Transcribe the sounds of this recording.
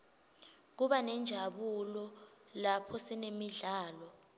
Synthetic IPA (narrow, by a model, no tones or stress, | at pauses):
k̬uɓanɛnd͡ʒʱaɓulɔ | lapʰɔsɛnemiɮaːlɔ